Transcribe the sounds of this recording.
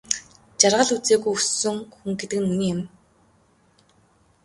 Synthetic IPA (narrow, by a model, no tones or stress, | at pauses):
t͡ɕarʁə̆ɮut͡seːɣujɵsɵ̆ŋxuŋɡet̪ɘ̆k̆nmuniːɪm